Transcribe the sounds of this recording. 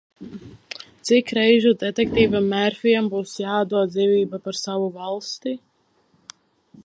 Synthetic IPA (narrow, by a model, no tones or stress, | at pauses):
t̪sikɾɛjʒud̪ɛt̪ɛk̚t̪iːvamːæɾfʲijambuːsjaːad̪uɔt̪̚d̪ziːvʲiːbapaɾsavuvalˠst̪i